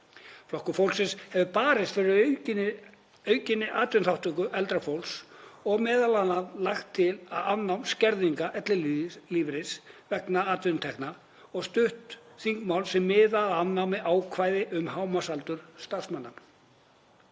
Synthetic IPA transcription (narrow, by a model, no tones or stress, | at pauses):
flɔhkʏfowlsɪshɛvʏpaːɾɪst̪fɪɾɪ | œːɥcɪnːɪʔaːt̪ʏnθawht̪ʏkʏʔɛlt̪ɾafowlsɔɣmɛːðalanːaðlaxt̪ʰːɪlaðannːawmscɛɾðiŋkaʔɛt̪lɪliliːvɾɪsvɛknaaːt̪vʏnt̪ʰɛhkna | ɔɣst̪ʏht̪θiŋkmawlsɛmːɪːðaanːawmɪaːwkʰvaːjðɪʔʏmhawmasalt̪ʏɾ̥st̪ar̥smanːam